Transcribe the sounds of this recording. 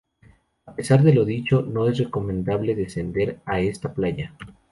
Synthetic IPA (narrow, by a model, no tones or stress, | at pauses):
ape̞saɾðe̞lo̞ðit͡ʃo̞no̞e̞s̬reko̞mẽ̞nd̪aβle̞ðe̞se̞nd̪e̞ɾae̞st̪aplaʝa